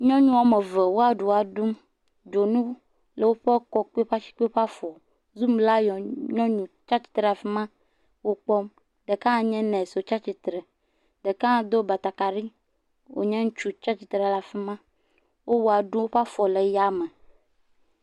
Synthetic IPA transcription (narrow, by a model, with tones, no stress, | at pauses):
ɲɔ̃˦ɲũ˦ɔ˨me˨ve˨wo˦a˨ɖu˨a˨ɖu˦m | d͡ʒo˨nũ˦ | le˨wo˦ɸe˦kɔ˦k͡pɸa˦t͡ʃi̥˦k͡pe˦ɸa˦fɔ˨ | zu˦mla˦jɔ˨ɲɔ̃˦ɲũ˨t͡ʃa˦t͡ʃt͡ɕi̥˨t̪ɾe˨a˨fɛ˦mã˦ | wo˦k͡pɔ˦m | ɖe˨kã˦˨ɲɛ̃˦nɛ̃˨so˨t͡ʃa˦t͡ɕi˨t̪ɾe˨ | ɖe˨kã˦˨d̪o˦ba˨t̪a˨ka˨ɖi˦ | wo̰˨ɲɛ̃˦ŋu˦t͡ʃu˦t͡ʃa˦t͡ʃi˨t̪ɾe˨la˨fi˦mã˦ | wo˦wo˦a˨ɖũ˦ɸa˦fɔ˨le˨ja˦me˨